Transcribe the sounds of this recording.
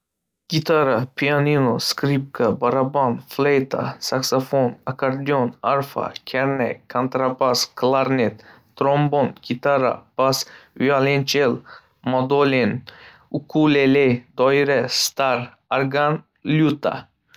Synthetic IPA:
ɡ̥it̪aɾapʰianinoskɾip̚kabaɾabanflejt̪a̰saksafonakaɾd̪iɔnaɾfa̰kʰɛɾnɛ̰kʰant̪ɾabaskʰlaɾnɛt̪ː | ɾɔmbɔnɡ̥it̪aɾa̰b̥asyalɛnt͡ʃɛl | mad̪olen | ukʰuleled̪ɔjɾɛst̪aɾ | aɾɡan | ljut̪a̰

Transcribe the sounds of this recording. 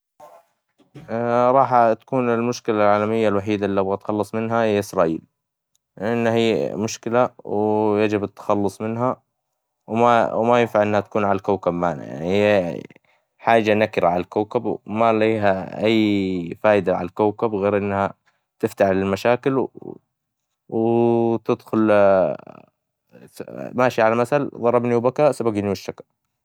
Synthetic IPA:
ɾˤɑːħat̪ḁkuːnɪlmʊʃkɪlalʕaːlamɪjːalwaħiːd̪alːabɣat̪xɑlːɑsˤmɪnɦahɪjːaʔɪsɾɑːʔḭːl | lʔanːhiːmʊʃkɪlawjad͡ʒɪbɪt̪ːḁxɑlːʊsˤmɪnɦa | wmawmajɪnfaʕʔɪnːhat̪ḁkuːnʕalalkawkabmaːna̰ja̰ʕni | ħaːd͡ʒanakɪɾaʕalalkawkabmaliːɦaʔajːfaːjɪd̪aʕalalkawkabɣeːɾʔɪnːha | t̪ɪft̪aħlɪlmaʃaːkɪl | wɪt̪ɪd̪xʊl | maːʃiʕalamasalðˤɑɾˤɑbniwbakasabaɡniwɪʃːaka

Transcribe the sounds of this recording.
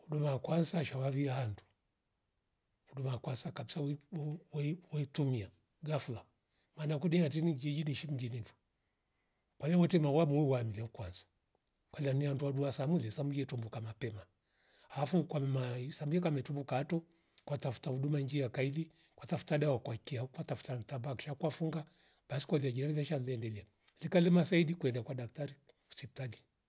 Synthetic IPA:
hudumakwansaʃawaviahandu̥ | hudumakwansakabisawwwitumia | ɡafula | maːnakuniatiniɡiɛd͡ʒiniʃim̩ɡinivɔ̥ | kwalawɔtɛmawamuwɛwamilɛukwansḁ | kwalanihanduaduasamulɛsamujɛtɔmbukamapɛma | haafukwamɛmasamujɛkamɛtumbukaːtɔ | kwatafu̥tauɗumand͡ʒiakaili | kwatafu̥taɗawɔkwakiakwatafu̥tatabakʃakwafuŋɡa | ɓasi̥kwaliaɡinalivaʃanlɛndɛlia | likalɛmasaidikwɛndakwadak̚taɾi | u̥sɛp̚tali

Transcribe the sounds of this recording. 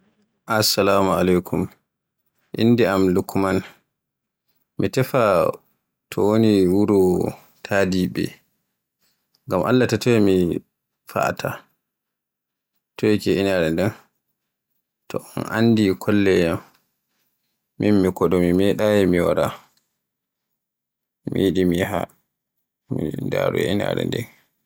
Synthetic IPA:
ʔasːalaːmalajkʰum | ʔḭndiamlukman | mitɛfa | tʰɔ̰woniwuɾɔ | tʰadiɓɛ̰ | ŋɡamʔa̰lːatatɔɛmi | fa̰tʰa̰ | tɔɛkɛinaɾɛndɛn | tʰɔɔnʔandikʰɔlːɛjam | inmikɔɗɔmimɛɗajɛmiwaɾa | miɗimiɦa | mḭnda̰ɾṵɛina̰ɾɛ̰ndɛ̰n

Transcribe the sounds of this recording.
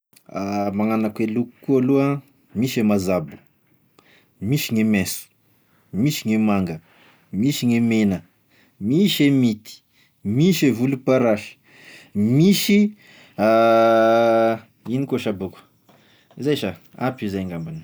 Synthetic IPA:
amaŋanakweluku̥kualua | miʃemazabu̥ | miʃiŋemesu̥ | miʃiŋemaŋɡə | miʃiŋemenə | miʃemit̪i̥ | miʃevulupaɾaʃə̥ | miʃi | a | inikoʃabuku̥ | zajʃaapizajŋɡambani

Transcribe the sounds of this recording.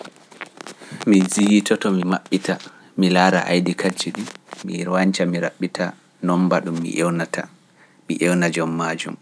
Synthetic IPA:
mizijitɔtɔmimaɓːita | milaːɾa̰ʔa̰jdikʰad͡ʒiɗimiɾwaɲt͡ʃamiɾa̰ɓːitʰa | nɔmbaɗumːḭʔɛwnatʰa̰ | mḭʔɛwnad͡ʒɔmːaːd͡ʒṵm

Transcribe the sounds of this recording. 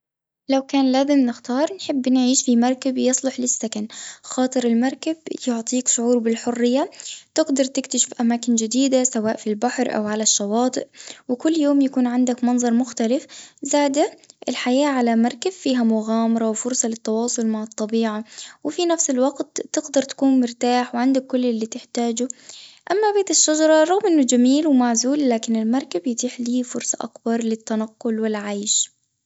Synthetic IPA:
lawkaːnlaːzɪmnɪxt̪ɑːɾˤnħɪbːnʕiːʃfimɑɾˤkabjɨsˤlʊħlɪsːakanxɑːt̪ˤɨɾɪlmɑɾˤkabjʊʕt̪ˤiːkʃʊʕuːɾbɪlħʊrːɪjːat̪ɪɡd̪ɑɾˤt̪ɪkt̪aʃɪ̥fʔamaːkɪnd͡ʒɪd̪iːd̪asawaːʔfilbaħɾʔa̰wʕalaʃːɑwɑːt̪ˤɨʔwɪkʊlːjoːmjakuːnʕand̪akmɑnzˤɑɾˤmʊxt̪alɪfzaːd̪aʔɪlħajaːʕalamɑɾˤkazfiːɦamʊɣaːmɑɾˤɑwfʊɾsˤɑlɪt̪ːɑwɑːsˤʊlmaʕɪt̪ˤːɑbiːʕawɪfinafsɪlwɑɡt̪ːɪɡd̪ɑɾˤt̪ḁkuːnmʊɾt̪aːħwɪʕand̪akːʊlːɪlːiːt̪ɪħt̪aːd͡ʒʊʔamːabeːt̪ɪʃːad͡ʒɑɾˤɑɾˤɑɣmʔɪnːʊd͡ʒamiːlwɪmaʕzuːlːaːkɪnɪlmɑɾˤkabjɪt̪ˤiːħliːfʊɾsˤɑʔɑ̰kbɑɾˤlɪt̪ːanɑqːʊlwɪlʕaːʃ

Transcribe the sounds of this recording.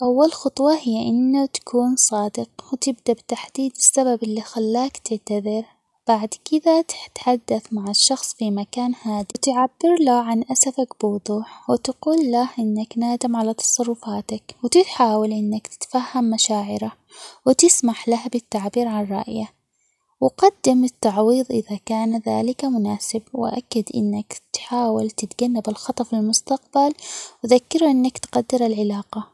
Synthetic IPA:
ʔawːalxʊt̪ˤwɑhɪjːaʔɪnːat̪ḁkuːnsˤɑːd̪ɪqwɪt̪ɪb̚d̪abt̪aħd̪iːd̪bɪ̥sːababɪlːixalːaːkt̪ɪʕt̪aðɪɾ | b̥aʕd̪kɪd̪at̪ɪ̥t̪ħad̪ːaθmaʕaʃːɑxsˤfimakaːnhaːd̪it̪ɪʕabːɪɾlaʕanʔasafakbɪwʊd̪ˤuːħwɪt̪aquːlːahʔɪnːaknaːd̪amʕalat̪ɑ̥sˤɑrˤːʊfaːt̪akwt̪ɪt̪ħaːwalʔɪnːakt̪ɪ̥t̪fahːamːaʃaːʕɪɾa | wɪt̪ɪsmaħlahbɪt̪ːaʕbiːɾʕanrˤɑ̰ːʔja | wɪqɑd̪ːɪmɪt̪ːɑʕwiːðˤʔɪðakaːnða̰ːlɪkamʊnaːsɪbwɪ̰ʔa̰kːad̪ʔɪ̰nːakt̪ħaːwalt̪ɪt̪ɡanːabɪlxɑt̪ˤɑfilmʊst̪aq̚balwðakːɪɾʔɪnːakt̪qad̪ːɪɾalʕɪlaːqɑ

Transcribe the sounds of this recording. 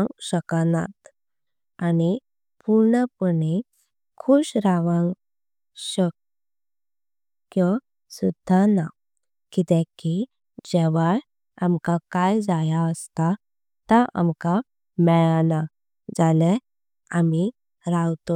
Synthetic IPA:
ŋɡɕəkana̰t̪ | ani | puɾɳəpəɳe | kʰuɕɾaʋãŋɡ | ɕək | jə | sud̪ʱːana | kit̪ɛ̃ki | d͡ʑɛʋaj | amkakajd͡zajaəst̪a | t̪aʔa̰mka | mɛɭana | d͡zalɛ | ami | ɾawt̪o

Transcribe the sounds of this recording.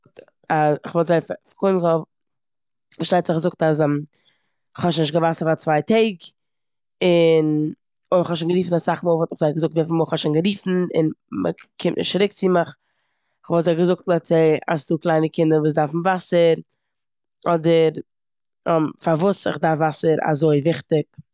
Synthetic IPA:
aɪχvɔlˠtzaɪfkoɪmzɔ | ʃtaɪtz̥ɪχɡzʊk̚tas̬ɛm | ɪχhɔʃnɪʃtɡəvasəɾfat͡svaɪtʰeɪɡ | ɪn | oɪχhɔʃ̬anɡəɾiːfn̩asaχmuʊːlˠvɔlˠtɪχzaɪɡəzʊk̚tvɛfmuɔlˠχɔʃaɪnɡəɾiːfn̩ɪ̰nmə̰kʰɪmtnɪ̰ʃtɾɪk̚t͡siməχ | ɪχvɔlˠzaɪɡəzʊk̚tlˠat͡seɪa̰sduːklˠaɪnəkɪndəɾvuːs̬daɾfn̩vasəɾ | ɔdəɾ | ɛmfaɾvuːsɪ̰χdaɾfvasəɾa̰zoɪvɪχtɪk̚

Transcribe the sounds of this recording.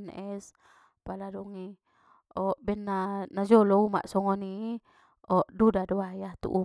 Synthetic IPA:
nɛs | paladuŋi | ɔʔbɛnːanad͡ʒɔlouma̰ʔsɔŋɔni | ɔʔdudaduwajat̪ṵʔu

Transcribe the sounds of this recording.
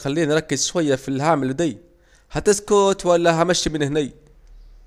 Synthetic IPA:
xalːiːnːɾˤɑkːɪzʃwajːafilhaːmɪld̪ijː | hat̪ɪskʊt̪walːaɦamaʃːimɪnhnij

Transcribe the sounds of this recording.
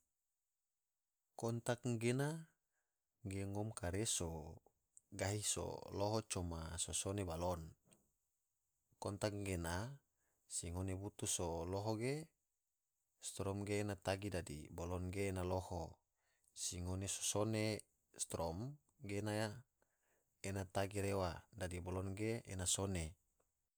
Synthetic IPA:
kɔnt̪akɡena | ɡeŋɔmkaɾeso | ɡaɦiso̰loɦɔt͡ʃɔmasosonebalɔn | kɔnt̪akŋɡena | siŋonebut̪usoloɦoɡe | st̪ɾɔmɡeːnat̪aɡidadḭbolɔnɡeːnaloho | siŋoneso̥sone | st̪ɾɔm | ɡenaja | enat̪aɡiɾewadadibolɔnɡeenasone

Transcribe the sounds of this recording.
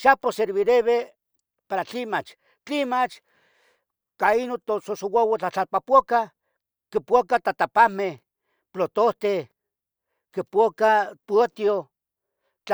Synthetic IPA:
ʃaposeɾβiɾeβe | paɾat͡ɬimat͡ʃ | t͡ɬimat͡ʃ | kainot̪ososowawat͡ɬat͡ɬapapʷoka | kipʷokat̪at̪apameh | plot̪oht̪e | kipokapuot̪jo | t͡ɬ

